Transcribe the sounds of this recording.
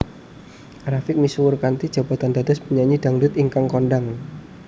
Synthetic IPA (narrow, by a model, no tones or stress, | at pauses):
rafɪk̚miswʊrkant̪id̥ʒ̥a̤b̥a̤t̪and̪ad̪aspəɲaɲid̥a̤ŋɖʊt̪iŋkaŋkɔnɖaŋ